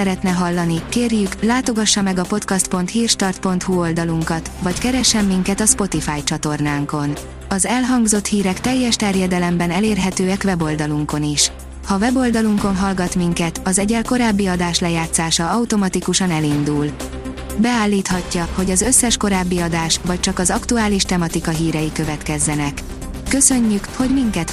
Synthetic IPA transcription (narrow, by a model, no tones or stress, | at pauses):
ɛɾɛt̪nɛɦɒlːɒnikeːrjyklaːt̪o̞ɡɒʃːɒmɛɡɒpo̞t̪kɒst̪̚po̞nt̪hiːrʃt̪ɒrt̪̚po̞nt̪huo̞ld̪ɒluŋkɒt̪vɒckɛɾɛʃːɛmːiŋkɛt̪ɒspo̞t̪ifaːjt͡ʃɒt̪o̞rnaːŋko̞n | ɒzɛlɦɒŋɡzo̞t̪hiːɾɛkt̪ɛjːɛʃt̪ɛrjɛd̪ɛlɛmbɛnɛleːrɦɛt̪øːɛkʋɛbo̞ld̪ɒluŋko̞niʃ | hɒvɛbo̞ld̪ɒluŋko̞nɦɒlɡɒt̪miŋkɛt̪ɒzɛɟɛlko̞ɾaːbːiɒd̪aːʃlɛjaːt̪saːʃɒɒwt̪o̞mɒt̪ikuʃɒnɛlind̪ul | bɛaːlːiːt̪hɒcːɒho̞ɟɒzø̞sːɛʃko̞ɾaːbːiɒd̪aːʃʋvɒc̚t͡ʃɒkɒzɒkt̪uaːliʃt̪ɛmɒt̪ikɒɦiːɾɛjikø̞vɛt̪kɛzːɛnɛkː | ø̞sø̞ɲːykho̞ɟmiŋkɛt̪